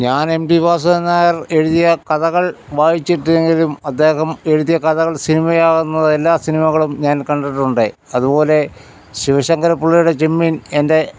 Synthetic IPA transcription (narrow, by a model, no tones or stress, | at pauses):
ɲaːne̞mdibaːs̬ɐenːaːjɐre̞ɻuðijɐkɐðɐɣɐɭʋaːjit͡ɕːiʈːueŋɡilumɐd̪ːe̞ːɦɐme̞ɻuðijɐkɐðɐɣɐɭsinimɐjaːɣunːɐðelːaːsinimɐɣɐɭumɲaːnkɐɳɖeʈːuɳɖɨɐðupo̞ːle̞ | ɕiʋɐɕɐŋɡɐɾɐpːuɭːijuɽe̞t͡ɕemːine̞nde̞